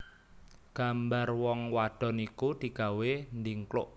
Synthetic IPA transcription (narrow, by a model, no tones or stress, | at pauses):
ɡ̥a̤mbarwɔŋwaɖ̥ɔ̤nikud̪̥i̤ɡ̥a̤wend̪iŋklʊ̰ʔ